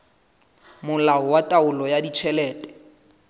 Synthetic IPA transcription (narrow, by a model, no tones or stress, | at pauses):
mʊlaɔwatʼaʊlɔjadit͡ʃʰɛlɛːtʼɛ̥